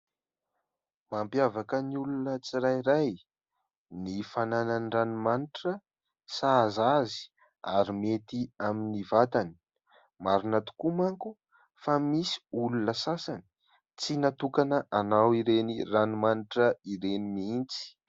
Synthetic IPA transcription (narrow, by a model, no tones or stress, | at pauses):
mampjavakəniulunət͡siɾajɾaj | nifanananiranimaniʈ͡ʂə | sazazi̥ | a̰ɾimet̪iaminivat̪ani̥ | maɾinat̪u̥kumaŋku | famisi̥ulunəsasani̥ | t͡sinat̪ukanəʔanawiɾeniranimaniʈ͡ʂəiɾenimiint͡si̥